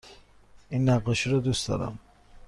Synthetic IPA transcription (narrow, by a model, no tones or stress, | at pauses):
inːæɣeʃiɾɔd̪usd̪ɒ̰ɾæ̰m